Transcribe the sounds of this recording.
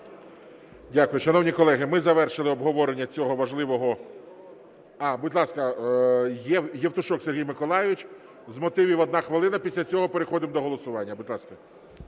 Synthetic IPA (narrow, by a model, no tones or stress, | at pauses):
dʲakʊjʊʃɐnɔwnʲikɔlˠɛɦɪmɪzɐʋɛrʃɪlˠɪɔbɦɔʋɔɾenʲːɐt͡sʲɔɦɔʋɐʒlˠɪʋɔɦɔ | ɑbʊdʲlˠɑskɐ | jɛjɛwt̪ʊʃɔkseɦʲijmɪkɔlˠɑjɪʋɪt͡ʃ | zmɔt̪ɪʋʲiwɔd̪nɑxʋelˠɪnɐpʲisʲlʲɐt͡sʲɔɦɔpe̞ɾexɔd̪ɪmd̪ɔɦɔlˠɔsʊʋɑnʲːɐbʊdʲlˠɑskɐ